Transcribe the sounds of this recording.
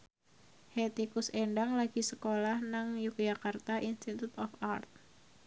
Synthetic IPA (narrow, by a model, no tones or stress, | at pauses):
het̪ikuseɳɖaŋlaɡ̥isəkolahnaŋjuk̚d͡ʒakart̪aʔinst̪it̪ut̪ɔfart̪̚